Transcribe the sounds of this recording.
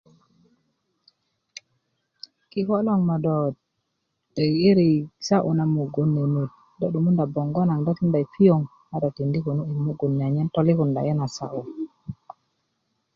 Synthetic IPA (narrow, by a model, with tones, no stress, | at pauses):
ki˨ko˦lo˦ŋma˨dɔ˨t̚ː | e˨i˦ɾi˨sa˦ʔu˨na˨mu˨ɡu˨nːi˨nu˨t̚ | dɔ˦ɗu˨mu˦nda˨bo˨ŋɡɔ˦na˨ŋdɔ˦ti˦nda˨jfi˦o˨ŋ | na˦dɔ˨ti˨ndi˦ku˨nu˦i˨mu˦ɡu˨nːi˨a˨ɲɛ˦nto˦li˦ku˨nda̰˨jɛ˦na˨sa̰˦ʔu˨